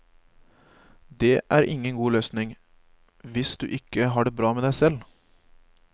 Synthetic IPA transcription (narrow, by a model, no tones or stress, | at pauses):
d̪eːʔæːɾʔɪŋːənɡuːløːsnɪŋ | ʋɪsd̪ʉ̰ːʔɪkəɦɑːɖeːbɾɑːmeːd̪æɪsɛl